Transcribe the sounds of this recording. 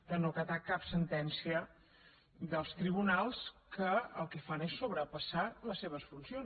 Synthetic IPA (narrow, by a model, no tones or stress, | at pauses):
d̪ənokət̪akapsənt̪ɛnsiə | d̪əlˠst̪ɾiβ̞unalˠskəə̰lˠkɛfanesːoβɾəpəsaləsːeβ̞əsfunsion